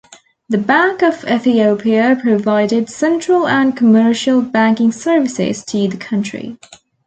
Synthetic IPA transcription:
ðəbæ̃ŋkəvɛθioʊpʰiəpʰɹ̥əvaɪɾɪdsɛ̃nt͡ʃɹ̥ələ̃nkʰəmɜˑʃəlˠbæ̃ŋkɪ̃ŋsɜːvɪsɪ̰z̥tʰəðəkʰʌ̃nt͡ʃɹ̥ḭ

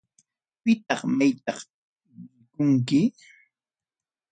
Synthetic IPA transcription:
pɪt̪ɑχmajt̪ɑχ | mɪkʊŋkɪ

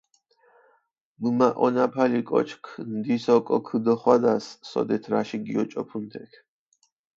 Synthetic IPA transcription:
mɨmaʔɔnapʰalikʼɔ̰t͡ʃʰkʰnd̪isɔkʼɔkʰɨd̪ɔχwad̪asːɔ̰d̪ɛt̪ʰɾaʃiɡiɔt͡ʃʼɔpʰund̪ɛkʰ

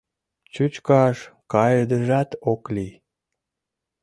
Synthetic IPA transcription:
t͡ɕut͡ɕkɑʃkɑjəd̪əʒɑt̪okli

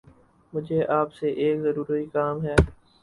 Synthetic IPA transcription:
mʊd͡ʒʱeʔaːpseʔeːkzɐɾuːɾəikaːmɦɛː

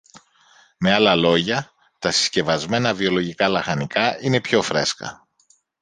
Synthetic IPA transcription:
me̞ɐlɐlo̞ʝɐ | t̪ɐsi̥sce̞vɐzme̞nɐvio̞lo̞ʝikɐlɐxɐnikɐine̞pço̞fɾe̞skɐ̰

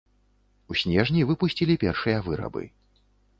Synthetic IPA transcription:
usʲnʲɛʐnʲivɨpusʲt͡sʲilʲipʲɛrʂɨjɐvɨɾɐ̰bɨ̰

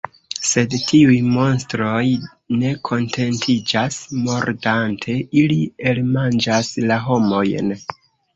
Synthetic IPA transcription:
se̞dtʰiujmo̞nstɾo̞j | ne̞kʰo̞ntʰe̞ntʰid͡ʒasmo̞ɾdantʰe̞ilie̞lmand͡ʒaslaɦo̞mo̞jn

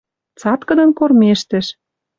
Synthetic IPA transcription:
t͡sɑt̪kɤ̆d̪ɤ̆nkormeʃt̪ɘ̆ʃ

